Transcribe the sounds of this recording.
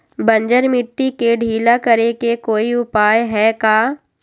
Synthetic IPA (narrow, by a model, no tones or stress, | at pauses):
bɐ̃ɲd͡ʒəɾmɪʈːikeɖʱiːlakɐɾekekoːiʊpaːjɦɛkaː